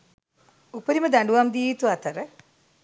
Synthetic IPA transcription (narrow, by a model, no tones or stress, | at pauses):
upːəɾimɐd̪aɳɖuʋamd̪iːt̪uat̪ɐɾə